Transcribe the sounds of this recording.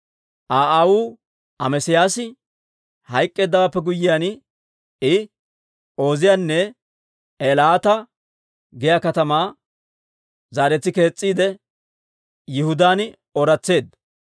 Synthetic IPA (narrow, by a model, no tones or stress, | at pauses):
ʔaːʔawuː | ʔɐmɛsɪjaːsɪ | hɐjkʼːe̞ːd̪ːɐwaːpːɛɡʊjːɪjaːn | ɪ | o̞ːzɪjaːnːɛ | elaːt̪ɐ | ɡɛjaːkɐt̪ɐmaː | zaːɾɛt͡s̪ːɪke̞ːt͡sʼːiːd̪ɛ | jɪhʊd̪aːn | ɔɾɐt͡sːe̞ːd̪